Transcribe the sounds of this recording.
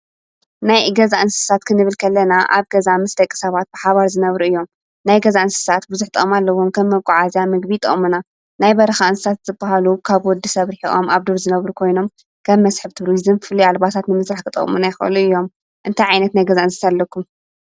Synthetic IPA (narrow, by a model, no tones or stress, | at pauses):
najɡɐzaʔɨnsɨ̥sat̪kʰɨnɨβɨlkʰɐlːɐnaʔa̰βɡɐzamɨsd̪ɐkʼːi̥sɐβat̪̚b̥ɨħaβaɾzɨnɐβɾuɨjːo̞m | najɡɐzaɨnsɨ̥sat̪bɨzuħt̪ʼɨʔomalːɐwo̞mkʰɐmːɐβkʷʼːɔʕazijamɨɡbit̪ʼɐ̰ʔʼmuna | najbɐɾɐxaɨnsɨsat̪z̥ɨbːaɦalukʰaβwɔd̪ːisɐβɾiħiʔo̰maβd̪oɾzɨnɐβɾukʰo̞jno̞m | kʰɐmːɐsħɨβt̪ʰɨɾizɨmfɨlialbat̪ʰat̪nɨmɨsɾaħkʰɨt̪ʼɐ̰χʼmunajxʔɨ̰luɨjːo̞m | ʔɨnt̪ʰajʕajnɐt̪najɡɐzaʔɨnsɨ̥salːɐkːum